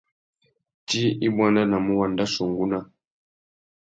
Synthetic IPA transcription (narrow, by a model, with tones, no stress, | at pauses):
ti˦i˦bwa˦nda˦na˨mu˦wa˨nda˦su˨ŋɡu˦na˦